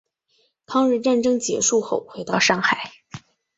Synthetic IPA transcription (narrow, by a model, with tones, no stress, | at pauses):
pʰɑ˥ŋɻ̩˥˧ʈ͡ʂa˥˩nʈ͡ʂɤ˥ŋt͡ɕjɛ˧˥ʂu˥˧xo˥˩ʊxwe˧˥ɪt̪ɑ˥˧ʊʂɑ˥˩ŋxa˨˩˦ɪ